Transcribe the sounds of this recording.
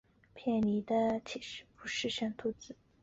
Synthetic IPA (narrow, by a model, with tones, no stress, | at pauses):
pʰjɛ˥˩nli˧˥d̪ə˧t͡ɕʰi˨˩ʂɻ̩˥˩pu˧˥ʂɻ̩˥˧ɕɛ˥˩nt̪ʰu˧˥t͡sɹ̩˥˩˦